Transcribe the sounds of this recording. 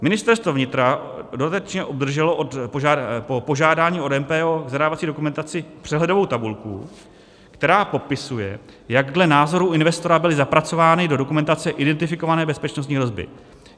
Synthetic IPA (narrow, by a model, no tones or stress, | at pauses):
mɪnɪst̪ɛɾst̪vovɲɪt̪ɾadodat̪ɛɛt͡ʃɲɛʔobd̪r̩ʒɛlo̞ʔot̪poʒapopo̞ʒaːdaːɲiːo̞dɛmpɛːoɡzadaːvat͡siːdo̞kumɛnt̪at͡sɪpr̝̥ɛɦlɛdo̞vo̞wt̪abulkṵ | kt̪ɛɾaːpo̞pɪsujɛ̰ | jaɡdlɛnaːzo̞ɾuʔɪnvɛst̪o̞ɾabɪlɪzapɾat͡so̞vaːnɪdo̞do̞kumɛnt̪at͡sɛʔɪdɛnt̪ɪfɪko̞vanɛːbɛspɛt͡ʃnost̪ɲiːɦɾo̞zbɪ̰